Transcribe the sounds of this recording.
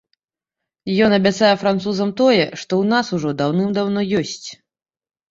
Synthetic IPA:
jɔnɐbʲat̪sajɛfɾant̪suzɐmt̪ɔjɛʂt̪ɔwnasuʐɔd̪awnɨmd̪awnɔjɔsʲt͡sʲ

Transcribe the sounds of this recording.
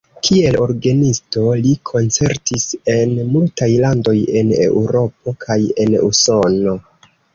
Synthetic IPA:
kʰie̞lo̞̰ɾɡenisto̞likʰo̞nt͡se̞ɾtise̞nmultajlando̞je̞ne̞̰wuɾo̞p̚o̞kʰaje̞nṵso̞no̞

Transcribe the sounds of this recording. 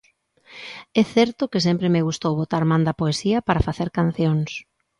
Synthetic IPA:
ɛθɛɾt̪ʊkɪs̬empɾemeɣ̞ust̪owβot̪aɾmãnd̪ɐpoesiɐpaɾafaθeɾkan̟θjoŋs

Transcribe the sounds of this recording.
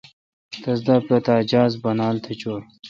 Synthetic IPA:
t̪ɐzd̪aːpɾɐt̪aːd͡ʑaːzbɐnaːlt̪ʰet͡ɕoːɾ

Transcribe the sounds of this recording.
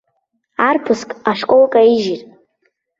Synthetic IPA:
arpʰɨskʼaʂkʷʼolkʼaiʒirʼ

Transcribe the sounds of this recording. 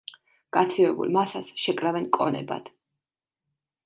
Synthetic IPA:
ɡ̥at̪sʰivɛbṵlˠmasasʃɛkʼɾavɛnkʼɔnɛ̰ba̰d̪̥

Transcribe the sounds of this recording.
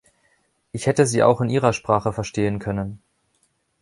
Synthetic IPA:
ʔɪçhɛtəziːʔa̰ʊxɪnʔiːʁɐʃpʁ̥aːχəfɛɐʃteːənkʰœnən

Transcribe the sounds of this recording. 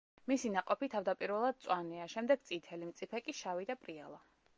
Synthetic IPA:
misinaqʼɔpit̪ʰavd̪apʼiɾvɛlˠad̪̥̚t̪sʼwanɛaʃɛmd̪ɛɡ̥t̪sʼit̪ʰɛlimt̪sʼipʰɛkʼiʃavid̪apʼɾialˠa

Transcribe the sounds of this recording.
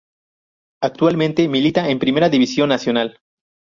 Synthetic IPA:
ak̚t̪walmẽnt̪e̞milit̪aempɾime̞ɾaðiβisjo̞nːasjo̞nal

